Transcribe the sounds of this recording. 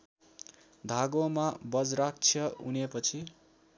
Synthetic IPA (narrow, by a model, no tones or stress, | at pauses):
d̪ʱaɡomabʌd͡zrak̚t͡sʰjʌunepʌt͡sʰi